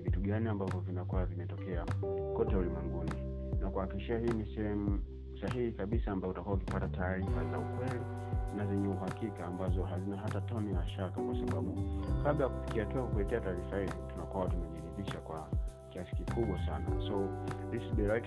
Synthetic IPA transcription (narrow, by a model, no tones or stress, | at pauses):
vituɠaniambavɔvinakuavimɛtɔkɛakɔtɛulimwɛŋɡuni | nakuhakikiʃiahiːnisɛɛmu | saɦihikaɓisaːmbajɔutakuwaukipatataːɾifaza̰ukwɛli | nazɛɲɛuɦakikaːmbazɔɦazinaɦatatɔniaʃakakwasaɓaɓukaɓlajaku̥fi̥kiatuakukuɛtɛataːɾifahizitunakuawatumɛʄiɾiɓiʃakwakiasi̥kikuɓwasanasauzisiɓɛɾak